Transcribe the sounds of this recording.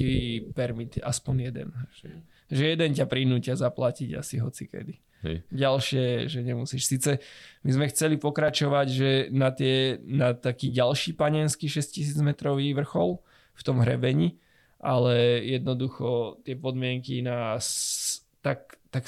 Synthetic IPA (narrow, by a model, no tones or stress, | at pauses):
ipɛɾmit̪a̰spɔɲjɛd̪ɛ̰nʒ̥ɛ | ʒɛjɛd̪ɛncapɾinuːcɪazaplaciɟa̰siɦɔ̰t͡sikɛ̰d̪i | ɟalʃɪɛʒɛɲɛmusiʃsiːt͡sɛmizmɛxt͡sɛlipɔkɾat͡ʃɔʋaɟʒɛnat̪ɪɛnat̪akiːɟalʃiːpaɲɛnskiʃɛscis̬iːd͡zmɛt̪ɾɔʋiːʋr̩xɔl | ft̪ɔmɦɾɛbɛɲi | ʔalɛjɛd̪nɔd̪uxɔt̪ɪɛpɔd̪mɪɛŋkinas | t̪ak̚t̪ak